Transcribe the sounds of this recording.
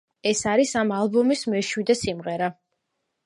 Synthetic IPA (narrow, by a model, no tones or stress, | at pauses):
ɛsaɾisamalˠbɔmismɛʃwid̪ɛsimʁɛɾa